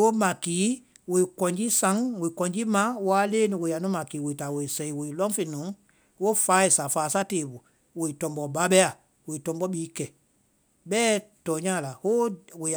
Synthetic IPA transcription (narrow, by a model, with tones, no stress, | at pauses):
wo˦mã˨kiː˨˦ | wo˨i˨kɔ̃˨ɲd͡ʒi˦sã˨˦ŋwo˨i˨kɔ̃˨ɲd͡ʒi˦mã˨˦waː˦leː˦nĩ˧we˨ja˨nũ˦mã˨kiː˨˦wo˨i˨ta˨wo˨i˨sɛ˨i˨wo˨i˨lɔ̃˦fe˧nũ˨˦ | wo˦faː˨˦e˨sa˨faː˨sa˦teː˨ɓu˨ | wo˨i˨tɔ̃˨mbɔ˨ba˦ɓɛ˦a˨ | wo˨i˨tɔ̃˨mbɔ˦ɓiː˨˦kɛ˨ | ɓɛː˦tɔː˨ɲãː˦˨la˨wo˦wo˨